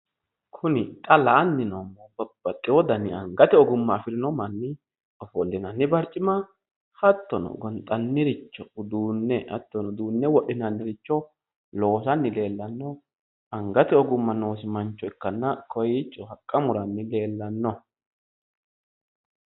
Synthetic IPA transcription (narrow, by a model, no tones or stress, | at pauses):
kʰʊnɪtʼɐlaːnːɪnomːɔbɐb̥ːɐt̪ʼːɪwɔd̪ɐnːɪɐŋɡɐt̪ɛɔɡʊmːɐːfɪɾɪnɔmɐnːɪ | ɔfɔlːɪnɐnːɪbɐɾt͡ʃʼːɪmɐ | hɐt̪ːɔnɔ̰ɡɔnt̪ʼɐnːɪɾɪt͡ʃːɔʊd̪uːnːɛhɐ̰t̪ːɔnʊd̪uːnːɛwɔɗɪnɐnːɪɾɪt͡ʃːɔ | lo̞ːsɐnːɪle̞ːlːɐnːɔ | ɐŋɡɐt̪ɛɔɡʊmːɐno̞ːs̬ɪmɐnt͡ʃːɔɛkːɐnːɐkʰɔjɪt͡ʃːɔhɐkʼːɐmʊɾɐnːɪle̞ːlːɐnːɔ